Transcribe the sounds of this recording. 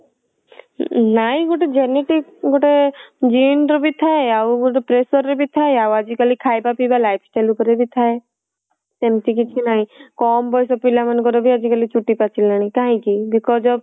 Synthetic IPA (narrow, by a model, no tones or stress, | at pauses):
naĩɡoʈed͡ʒeniʈikɡoʈed͡ʒiːnɖɾbʱit̪ʰaeauɡoʈepɾeːsəɾːebʱit̪ʰaːeawad͡ʒikəlikʰaːjbapibalaːjpʰsʈaːlukəɾebʱit̪ʰaːe | semʈik̬it͡ʃʰinaːĩkɔːmbɔːjs̬opilamɐnkɔɾobʱiad͡ʒikəlit͡ʃuʈːipat͡ʃʰilañikaɦĩkibikɔd͡ʒɔb